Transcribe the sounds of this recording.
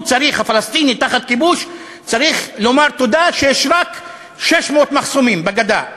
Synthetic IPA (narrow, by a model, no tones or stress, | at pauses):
t͡saʁiχhafalast̪init̪aχat̪̚kibuʃ | t͡saʁiχlo̞maʁt̪o̞d̪aʃejeʃʁak | ʃeʃmeot̪maχsomimbeɡad̪a